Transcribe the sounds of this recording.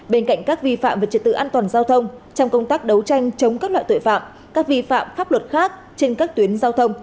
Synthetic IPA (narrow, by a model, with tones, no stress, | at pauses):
ɓe˧nka̰˧˨jŋ̟kaː˦˥k̚vi˧fa̰˧˨mvaː˨˩t͡ɕi˨˩t̪̚ɨ̰˧ʔaː˧nt̪waː˨˩nzaː˧wt̪ʰə˧wŋ͡mt͡ɕɔ˧wŋ͡mkə˧wŋ͡mt̪aː˦˥k̚ɗə˨˦wt͡ɕa˧jŋ̟t͡ɕə˨˦wŋ͡mkaː˦˥k̚la̰ː˧˨t̪ːjfa̰ː˧˨m | kaː˦˥k̚vi˧fa̰ː˧˨mfaː˦˥p̚lwə˨˩t̚xaː˦˥k̚ | t͡ɕe˧nkaː˦˥k̚t̪wi˨˦ənzaː˧wt̪ʰə˧wŋ͡m